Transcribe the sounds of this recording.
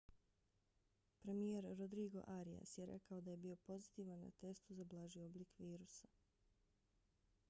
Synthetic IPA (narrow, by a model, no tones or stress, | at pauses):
pɾe̞mijeɾɾo̞d̪ɾiːɡo̞̰ʔaɾija̰sjeɾe̞̰kao̞d̪aje̞bio̞po̞zit̪iːʋanːa̰t̪e̞st̪uzablˠaːʒio̞blikʋiːɾusa